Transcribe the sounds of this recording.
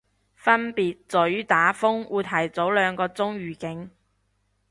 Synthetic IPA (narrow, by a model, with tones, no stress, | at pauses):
fɐ˥npiː˨t̚t͡sɵ˨˥ɥt̪aː˨˥fʊ˥ŋʔuː˨˧jt̪ʰɐ˨˩jt͡so˨˥wlœː˨˧ŋkɔː˧t͡sʊ˥ŋɥyː˨˩kɪ˨˥ŋ